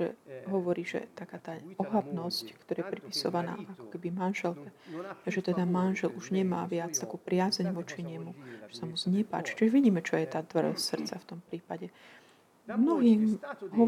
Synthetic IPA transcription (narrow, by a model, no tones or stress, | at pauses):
ʒɛ̰ɦɔʋɔɾiːʒɛ̰t̪akaːt̪aːɔɦab̪nɔsckt̪ɔɾaːjɛpɾipi̥sɔ̰ʋana̰ːakɔ̥kɛbimanʒɛlkɛaʒɛt̪ɛd̪amanʒɛluʒɲɛma̰ːʋɪat͡st̪akuːpɾɪazɛɲʋɔt͡ʃiɲɛmuʒ̥ɛsamuzɲɛpa̰ːt͡ʃi̥t͡ʃiʒʋiɟiːmɛt͡ʃɔjɛt̪aːt̪ʋr̩sr̩tt͡saft̪ɔmpɾiːpaɟɛ | mnɔɦiːmɦɔ